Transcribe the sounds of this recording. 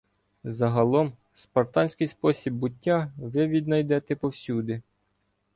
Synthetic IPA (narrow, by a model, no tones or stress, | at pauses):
zɐɦɐlˠɔm | spɔrt̪ɑnʲsʲkɪjspɔsʲibːʊtʲːaʋɪʋʲid̪nɐjd̪ɛt̪ɛpɔwsʲud̪ɪ